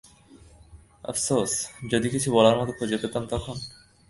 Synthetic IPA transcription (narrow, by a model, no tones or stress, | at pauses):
ʌ̰fsosd͡ʑod̪ikit͡ɕʰubɔlaɾmɔt̪okʰod͡ʑet̪et̪amt̪ɔkʰon